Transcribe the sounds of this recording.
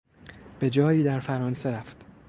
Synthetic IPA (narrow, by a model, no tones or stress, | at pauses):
b̥e̞d͡ʒɒːjiːd̪æɾfæɾɒːnse̞ɾæft̪